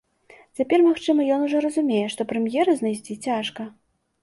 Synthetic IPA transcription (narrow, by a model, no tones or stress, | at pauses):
t͡sʲapʲɛrmaxt͡ʂɨmɐjɔnuʐɔɾɐzumʲejɛʂt̪ɔpɾɛmjɛɾɐznajsʲt͡sʲit͡sʲaʂkɐ